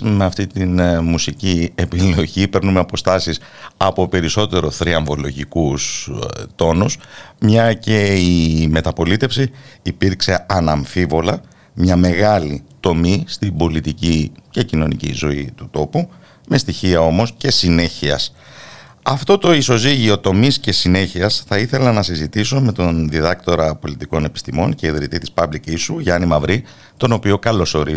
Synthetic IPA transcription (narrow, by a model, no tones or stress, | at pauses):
me̞ɐft̪it̪inmusiciepilo̞ʝipe̞ɾnumeɐpo̞st̪ɐsis | ɐpo̞pe̞ɾiso̞t̪e̞ɾo̞θɾiɐɱvo̞lo̞ʝikust̪o̞nusmɲɐce̞ime̞t̪ɐpo̞lit̪e̞fsiːpiɾkse̞ɐnɐɱfivo̞lɐ | mɲɐme̞ɣɐlit̪o̞mist̪ibo̞lit̪icice̞cino̞nḭcḭzo̞it̪ut̪o̞pu | me̞st̪içiɐo̞mo̞sce̞sine̞çiɐ̰s | ɐft̪o̞t̪o̞iso̞ziʝio̞t̪o̞misce̞sine̞çiɐsθɐiθe̞lɐnɐsizit̪iso̞me̞t̪o̞nðiðɐkt̪o̞ɾɐpo̞lit̪iko̞ne̞pi̥st̪imo̞̰nce̞iðɾit̪it̪ispɐblicisuʝɐnimɐvɾi | t̪o̞no̞pio̞kɐlo̞so̞ɾi